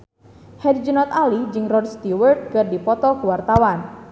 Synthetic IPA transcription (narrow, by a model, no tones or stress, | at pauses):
hɛdd͡ʒunɔt̪alid͡ʒɨŋrɔdst̪iwərt̪̚kɨrdipɔt̪ɔkuwart̪awan